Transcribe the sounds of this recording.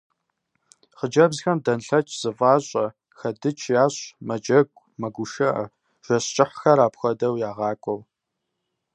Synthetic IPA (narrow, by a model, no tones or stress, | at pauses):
χəd͡ʒɐbzxɐmdɐnɬɐt͡ʃʰʼz̥ɨvɑːɕʼɐ | xɐdɨt͡ʃʰjaːɕʼmɐd͡ʒɐɡʷʼ | mɐɡʷʊʃɐʔɐ̰ | ʒ̥ɐɕt͡ʃʼɪħʷxɐɾaːpxʷɐdɐwjaːʁɑːkʷʼɔw